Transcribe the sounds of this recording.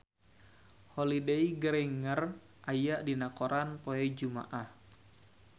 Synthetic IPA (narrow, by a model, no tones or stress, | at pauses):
holideiɡəɾɛŋər | ʔajaʔdinakoɾanpoɛd͡ʒuma̰ʔah